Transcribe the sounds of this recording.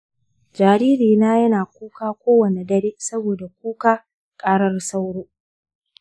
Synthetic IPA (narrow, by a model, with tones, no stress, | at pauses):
d͡ʒaː˨ɾiː˦ɾiː˨naː˦jɐ˦naː˨kʷuː˦kaː˦kʷoː˦wɐ˨ne˨dɐ˦ɽeː˦sɐ˦boː˨da˨kʷuː˦kaː˦ | kʼaː˦ɽɐ˦rsa˦wɽoː˦